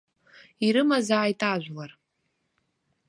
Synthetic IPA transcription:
iɾɨmazaːjtʼaʒʷᶣlar

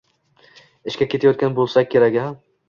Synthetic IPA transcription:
ɪʃkʲakʲʰet̪ajɒt̪̚kʲanbolˠsakʲʰːeɾakʲham

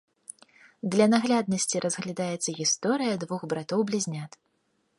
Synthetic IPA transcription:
d̪lʲɐnaɣlʲad̪̚nɐsʲt͡sʲiɾʔɐzɣlʲad̪ajɛt̪sːɐɣʲist̪ɔɾɨjɐd̪vuɣbɾat̪ɔwblʲizʲnʲat̪

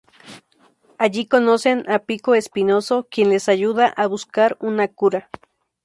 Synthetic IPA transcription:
aʝikonosenapikoespinosokjenlesajuðaʔaβuskaɾunakuɾa

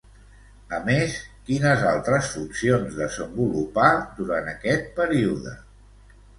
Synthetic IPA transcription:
əmeskinəzalˠt̪ɾəsfunsionzðəzəmbulupaðuɾanəkɛt̪̚pəɾiuðə̰

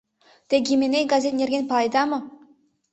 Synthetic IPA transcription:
t̪eɡʲimʲeneɡazʲet̪̚nʲerɡʲenpɑlˠɑjd̪ɑmɤ̆

